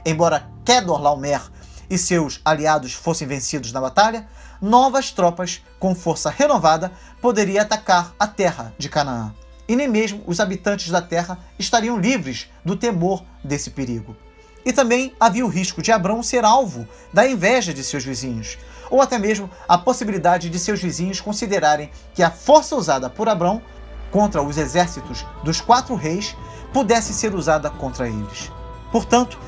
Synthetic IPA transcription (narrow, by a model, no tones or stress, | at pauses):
ẽj̃bɔɾɐ | kɛd̪oɾlawmɛɾ | ɪsewsaliad̪ʊsfosẽj̃vẽsid̪ʊznɐbat̪aʎɐ | nɔvɐst̪ɾɔpɐs | kõw̃foɾsɐhenovad̪ɐ | pod̪eɾiɐat̪akaɾɐt̪ɛɦɐd͡ʒɪkanaa̰ | ɪnẽj̃meʒmʊʔːzabit̪ɐ̃nt͡ʃɪzd̪ɐt̪ɛɦɐɪʃt̪aɾiɐ̃w̃livɾɪz | d̪ʊt̪emoɾ | d̪esɪ̥peɾiɡʊ | ɪt̪ɐ̃mbẽj̃aviɐʊɦiʃkʊd͡ʒɪabɾɐ̃w̃seɾawvʊ | d̪ɐẽvɛʒɐd͡ʒɪsewzvizĩɲʊsowat̪ɛmeʒmʊ | ɐposibilid̪ad͡ʒɪd͡ʒɪsewzvizĩɲʊskõsid̪eɾaɾẽj̃ | kɪɐfoɾsɐuzad̪ɐpʊɾabɾɐ̃w̃ | kõnt̪ɾɐʊzezɛɾsit̪ʊzd̪ʊskwat̪ɾʊɦejspud̪ɛsɪ̃seɾuzad̪ɐkõnt̪ɾɐelɪs | poɾt̪ɐ̃nt̪ʊ̥